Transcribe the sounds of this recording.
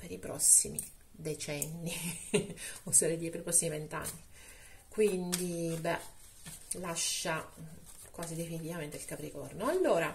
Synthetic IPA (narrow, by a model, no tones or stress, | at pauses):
peɾipɾɔ̰sːimḭ | d̪et͡ʃɛnːi | oseɾed̪ipeɾipɾɔsːimivent̪a̰nːi | kwind̪ibɛ | laʃːa | kwaːzid̪efinit̪ivament̪eilkapɾikɔ̰rnoalːoːɾa